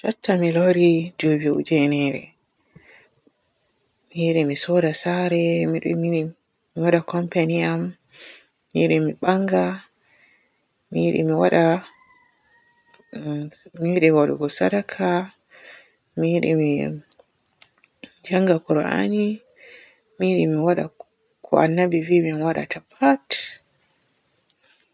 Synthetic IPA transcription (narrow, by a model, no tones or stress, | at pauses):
d͡ʒɔtːamiloɾid͡ʒobiṵd͡ʒɛnɛɾɛ̰ | miɗɛmisɔdasaɾɛmiɗumi | miwaɗakɔmpaniamː | iiɗɛmiɓaŋɡa | miɗɛ̰miwaɗa | miwiɗɛwaɗṵɡɔsaɗakʰa | miɗɛ̰mi | d͡ʒaŋɡakɔɾɔʔa̰ɲi | miɗɛmiwaɗa̰ | kʰɔ̰ʔa̰nːabivimiamwaɗa̰tʰapʰat